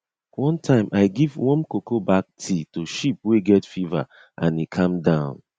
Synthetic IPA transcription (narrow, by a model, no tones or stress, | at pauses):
wɔ̃ntʰãɪ̃mʔaɪɡivwɔ̃nkokobak̚tʰitoʃip̚weɡɛtfiva̰ | ãnikʰãmdãʊ̃n